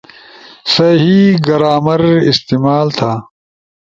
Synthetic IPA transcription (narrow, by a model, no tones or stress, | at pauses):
sɐɦiːɡɐɾaːmɐɾist̪iːmaːlt̪ʰaː